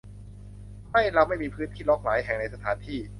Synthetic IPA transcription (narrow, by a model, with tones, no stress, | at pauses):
ma˥˩jla˧wma˥˩jmiː˧pʰɯː˦˥nt̪ʰiː˥˩lɔː˦˥k̚laː˩˦jɦɛ˨˩ŋna˧jsa˧t̪ʰaː˩˦nt̪ʰiː˥˩